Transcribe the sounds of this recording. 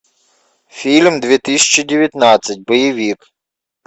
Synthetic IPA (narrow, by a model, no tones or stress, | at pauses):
fʲilʲmd̪ʲʋʲit̪ɪsʲt͡ʃːidʲɪʋʲjɐt̪nɑt͡sʲːɐt̚ʲbɔjiʋʲik